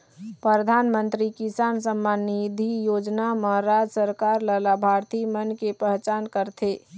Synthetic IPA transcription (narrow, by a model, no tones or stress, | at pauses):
pɾəd̪ʱanmənt̪ɾikisansəmːanid̪ʱijod͡ʒnaməɾad͡ʒsəɾkaɾləlabʱaɾt̪imənkepəɦt͡ʃaːnkəɾt̪ʰe